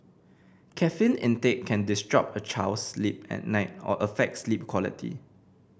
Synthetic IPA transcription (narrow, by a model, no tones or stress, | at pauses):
kʰɛfĩnɪ̃nteʔ̚kʰɛ̃ndɪstɹ̥ɔ̰pət͡ʃʰaʊslip̚ɛ̰t̚naɪt̚ɔ̰ʔəfɛk̚slip̚kʰwɔlḭtʰḭ